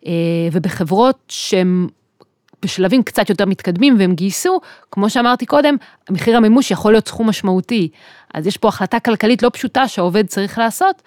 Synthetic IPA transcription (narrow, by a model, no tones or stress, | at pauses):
ʔevebeχe̞vʁo̞t̚ʃeem | b̥eʃlavimkt͡sat̪jote̞ʁmit̪kad̪mimveemɡiːsukmo̞ʃeamaʁt̪iko̞de̞m | ameχiʁhamemuʃjaχolijo̞tsχumːaʃmauti | ʔa̰zjeʃpo̞aχlatakalkalitlo̞pʃutaʃeao̞ve̞d̚t͡saʁiχlaːso̞t